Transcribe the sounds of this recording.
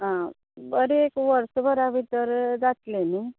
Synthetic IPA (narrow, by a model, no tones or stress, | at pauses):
ɦã | bəɾeːkʋəɾsbəɾaʋit̪əɾd͡zat̪leni